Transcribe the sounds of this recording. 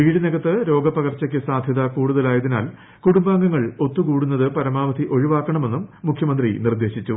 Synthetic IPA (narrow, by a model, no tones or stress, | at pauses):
ʋiːɽineɡɐt̪ːɨɾo̞ːɡɐpɐɣɐrt͡ɕːɐk̬ʲːɨsaːd̪ʱjɐðɐkuːɽuðɐlaːjɐðina̰ːl | kuɽumbaːŋɡɐŋːɐɭo̞t̪ːukuːɽunːɐðɨpɐɾɐmaːʋɐd̪iʔo̞ɻiʋaːkːɐɳɐme̞nːumːukʰjɐmɐnd̪rinird̪e̞ːɕit͡ɕːu